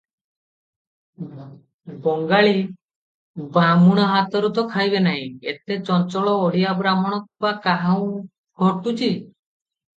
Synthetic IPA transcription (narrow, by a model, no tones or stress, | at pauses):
bɔŋɡaɭi | bamuɽ̃ɔɦat̪ɔɾut̪ɔkʰajbenaɦĩet̪et͡ʃɔnt͡ʃɔɭɔoɽ̤ijabɾamɔɽ̃ɔkbakaɦaw̃ | ɡʱɔʈut͡ʃʰi